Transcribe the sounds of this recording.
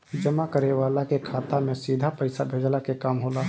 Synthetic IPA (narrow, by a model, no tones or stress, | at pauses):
d͡ʒəmakəɾeʋaːlakekʰaːt̪amẽsiːd̪ʱapəɪsabʱeːd͡ʒlakekaːmɦoːlaː